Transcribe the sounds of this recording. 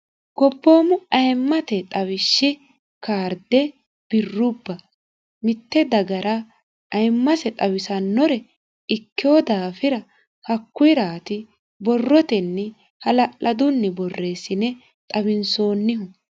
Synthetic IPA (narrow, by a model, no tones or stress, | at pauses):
ɡɔpːoːmʊɐjmːɐt̪ɛt̪ʼɐwɪʃːɪ | kaːɾd̪ɛ | b̥ɪrːʊbːɐ | mɪt̪ːɛd̪ɐɡɐɾʔɐ | ɐjmːɐsɛt̪ʼɐwɪsɐnːɔɾɛ | ɪkːɪjoːd̪aːfɪɾɐ | hɐkːʊjɾaːt̪ɪ | bɔrːɔt̪ɛnːɛ | hɐlɐʔʔɐd̪ʊnːɛbɔrːe̞ːsɪnɛ | t̪ʼɐβɪnso̞ːnːɪɦʊ